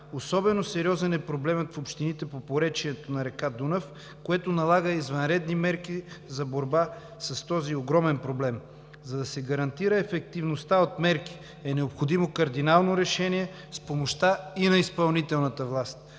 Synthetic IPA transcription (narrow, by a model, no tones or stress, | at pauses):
osɔbɛnosɛɾiɔzɛnɛpɾoblɛmət̪fopʃt̪init̪ɛpopoɾɛt͡ʃiɛt̪onɐɾɛkad̪unəf | koɛt̪onɐlˠaɡəizvɐnɾɛd̪nimɛɾkizɐboɾba | sɐst̪ɔzioɡɾɔmɛnpɾoblɛm | zɐd̪ɐsɛɡɐɾɐnt̪iɾəɛfɛk̚t̪ivnost̪aot̪mɛɾki̥ | ɛnɛopxod̪imokɐɾd̪inalˠnoɾɛʃɛniɛ | spomoʃt̪ainɐispɐlˠnit̪ɛlˠnɐt̪əvlˠast̪